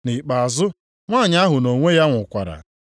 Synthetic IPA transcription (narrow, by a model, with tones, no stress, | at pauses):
ni˨k͡pa˨a˨zʊ˦ | ŋʷaː˦˨ɲa˦ɦʊ˨no˨ŋʷe˦ja˦ŋʷʊ˨kʷa̰˨ɾa̰˨